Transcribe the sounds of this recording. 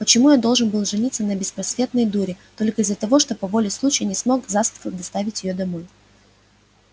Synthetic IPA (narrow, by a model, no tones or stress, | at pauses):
pət͡ɕɪmujad̪o̞lˠʐɨnbɨlˠʐɨnʲit̪sːənəbʲɪspɾɐsvʲe̞t̪nəjd̪uɾʲɪt̪o̞lʲkəɪzːət̪ɐvo̞ʂt̪o̞pɐvo̞lʲɪslˠut͡ɕɪjnʲɪsmo̞kzast̪ə̥fək̚d̪ɐst̪avʲɪtʲjɪjod̪ɐmo̞j